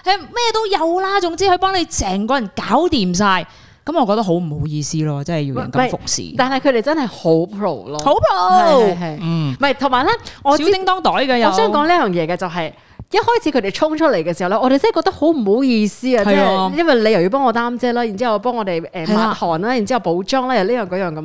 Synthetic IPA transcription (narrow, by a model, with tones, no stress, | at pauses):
ɛ˨mɛː˥t̪o˥wjɐ˨wlaː˥t͡sʊ˨˧ŋt͡siː˥hɵ˧ɥpɔː˥ŋle˨˧jsɛː˨˩ŋkɔː˨˧jɐ˨˩nkaː˨˥wt̪iː˨msaː˧j | kɐ˨˥mɔː˨˧kɔː˧k̚t̪ɐ˥ɦo˨˥wm̩˨˩ho˨˥wjiː˧siː˥lɔː˧t͡sɐ˥nhɐ˨˩ji˧wjɐ˨˩nkɐmɐ˧m˩jfʊ˨k̚sḭː˨˩t̪aː˨nhɐ˨jkʰɾe˨jt͡sɐ˥nhɐ˨jho˨˥wpʰɹo˨˩wlɔː˨˧ho˨˥wpʰɹo˨ɦɐ˨˩j̩˩mɐ˨jt̪ʰʊ˨˩ŋmaː˨˩lɛ˥ŋɔː˨˧si˨˥tɪ˥ŋt̪ɔː˥ŋt̪ɔː˨˥jɡɐː˧jɔ˨˧sœː˨˥ŋkɔː˨˥ŋliː˥jœː˨ŋjɛː˨˧kɛː˧t͡sɐ˨wɦɐ˨j | jɐ˥t̚hɔː˥jt͡sʰi˨˧kʰɵ˨˧te˨jt͡ʃʰʊ˥ŋt͡ʃʰɵ˥t̚le˨˩jkɛː˧si˨˩hwlɛ˥ʔɔː˨˧ɾe˨jt͡sɐ˥˨˩kɔː˧˥t̪ɐ˥ho˨˥wm̩˨˩ho˨˥wjiː˧siː˥ɐː˧t͡sɐ˨ɛ˥˨jɐ˥nwɐ˨jle˨˧jɐ˨˩wji˧p̬ɔː˥ŋɔː˨˧t̪aː˥mt͡sɛː˥laː˥jt͡siː˥hwjpɔː˥ŋɔː˨˧ɾe˨˩jʔɛː˨maː˨t̚hɔː˨˩naː˥ji˨˩nt͡si˨˥ɐ˨˩wpo˨˥wt͡ʃɔː˥ŋlaː˥jɐ˨˧wliː˥jœː˨˩ŋkɔː˨˥jœː˨ŋkɐ˧